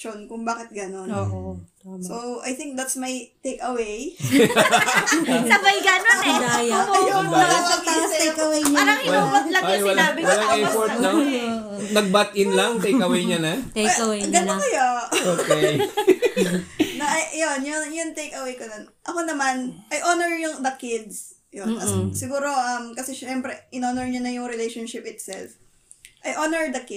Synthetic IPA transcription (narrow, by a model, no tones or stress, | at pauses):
t͡ʃonkʊŋbaːkɪt̪̚ɡɐnono | soʔɐjθɪŋk̚d̪ɐt̪smɐjt̪ejkɐwej | sɐbɐɡɐnon | ɐjonwɐlɐɐasɛkɐwejɲaɾɐɐlɐjɐlabɪlɐŋɛpoɹt̪nɐ | nɐɡ̚bat̪ʔɪnlɐŋt̪ɛjkɐwejɲɐnɐ | ɡɐnkɐjooːke | nɐʔɐjʔjonjonjʊnt̪ejkɐwejkononʔɐkonɐmɐnʔɐjʔonɛɹjʊŋd̪ɐkɪd̪s | jonɐsɪɡuːɾo̞ʔɐmkɐsɛʃɛmpɾɛʔɪnoːnɛɹɲɐnɐjʊŋɾɪlejʃonʃɪp̚ɪt̪̚sɛ̰lf | ʔɐjʔonɛɹd̪ɐkɪ